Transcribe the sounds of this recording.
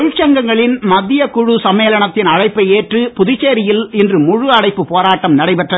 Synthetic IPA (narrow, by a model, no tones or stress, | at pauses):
ɻt͡ʃːɐŋɡɐŋɡɐɭɪnmɐðːɪjɐkʊɻʊsɐmeːlɐɳɐt̪ːɪnɐɻɐɪpːɐeːʈrɯpʊðɪt͡ʃːeːɾɪjɪlɪndrɯmʊɻʊɐɽɐɪpːɯpoːɾaːʈːɐmnɐɽɐɪpɛʈrɐð